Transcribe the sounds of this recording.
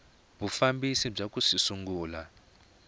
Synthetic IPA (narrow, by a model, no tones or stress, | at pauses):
βufambisib͡ʐakusisuŋɡuːla